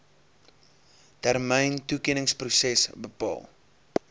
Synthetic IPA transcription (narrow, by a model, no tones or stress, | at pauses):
tærməjntukiənəŋsprusɛsbəpɑ̰ːlˠ